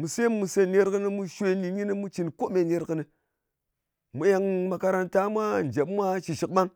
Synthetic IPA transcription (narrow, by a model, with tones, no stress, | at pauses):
mu˨se˦mːu˨se˦˨ne˦ɾkə˦ni˦mu˦ʃʷe˦ni˨ɲi˦ni˦mu˦t͡ʃi˨nko˦me˨ne˦ɾkə˨ni˨ | mu˨ja˨ŋma˨ka˧ɾa˨nta˦mʷa˦n˨d͡ʒe˨pmʷa˦ʃi˨ʃi˨k̚ɓa˦ŋ